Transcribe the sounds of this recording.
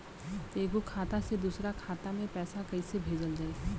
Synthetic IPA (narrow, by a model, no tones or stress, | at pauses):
t̪eːɡokʰaːt̪ased̪uːsɾakʰaːt̪amẽpɛːsakɐisebʱeːd͡ʒəld͡ʒɐeː